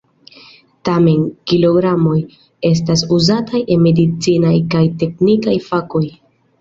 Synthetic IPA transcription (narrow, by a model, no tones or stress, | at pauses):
tame̞nkilo̞ɡɾamo̞j | e̞s̬tasuzataje̞me̞dit͡sinajkajte̞knikajfako̞j